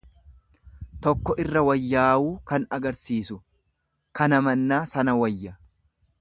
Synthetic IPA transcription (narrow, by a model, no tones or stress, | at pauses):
t̪ɔkːɔʔɪrːɐwɐjːaːwuːkɐnɐɡɐɾsiːsʊ | kɐnɐmɐnːaːsɐnɐwɐjːɐ